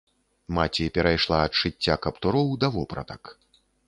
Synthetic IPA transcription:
mat͡sʲipʲɛɾajʂlˠaɐt̪ʂɨt͡sʲːakɐpt̪uɾɔwd̪ɐvɔpɾɐ̰t̪ɐk

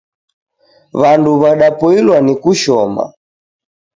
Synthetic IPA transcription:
βanduβaɗapɔilwanikuʃɔma̰

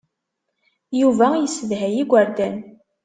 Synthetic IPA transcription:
juvæjəsːəðɦæjiɡʷəɾd̪æn

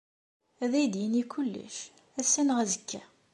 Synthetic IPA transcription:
æðæjd̪jənikʰːulːə̰ʃ | æsːænʁæzəkʰːæ

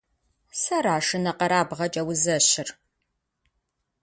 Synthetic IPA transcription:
sɐɾaːʂɨnɐqɐɾaːbʁɐt͡ʃʼɐwʊzɐɕɪr

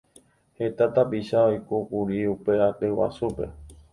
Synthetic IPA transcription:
he̞t̪at̪apiʃaojkukuɾiupe̞at̪ewa̰supe̞̰

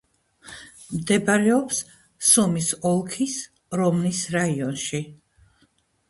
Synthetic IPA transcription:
md̪ɛbaɾɛɔps | sɔmisɔlˠkʰis | ɾɔmnisɾaiɔnʃi

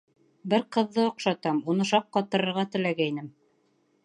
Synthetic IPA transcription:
bɘɾqɤ̆ðːɤŏqʃɑt̪ɑmunɤʃɑqːɑt̪ɤ̆ɾɤ̆ɾʁɑt̪ɘ̆læɡæinɘm

